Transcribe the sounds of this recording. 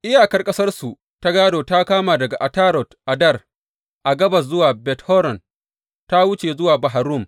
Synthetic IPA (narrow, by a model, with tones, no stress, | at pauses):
ʔɪ˦jaː˨kɐ˦rkʼɐ˦sɐ˦rsu˨ | ta˦ɡaː˦doː˨ta˦kaː˦maː˨dɐ˨ɡa˨ʔa˨taː˦ɾɔ˨tʔa˨dɐ˦˨r | ʔa˨ɡɐ˦bɐ˨s̬zʊ˦waː˨bɛ˨thɔ˦ɾɔ˨n | ta˦wʊ˦t͡ʃe˨zʊ˦waː˨bɐ˨ɦa˨ɾʊ˦˨m